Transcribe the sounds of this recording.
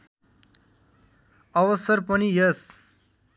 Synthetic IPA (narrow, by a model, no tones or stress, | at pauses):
ʌwʌsʌɾpʌnijes